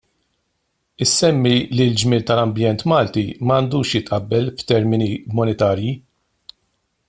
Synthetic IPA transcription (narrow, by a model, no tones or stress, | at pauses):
ɪsːɛmːilild͡ʒmɪːlt̪ɐlɐmbjɛnt̪mɐːlt̪imɐːnd̪uːʃjɪt̪ʔɐbːɛlft̪ɛɾmɪnimɔnɛt̪ɐːɾji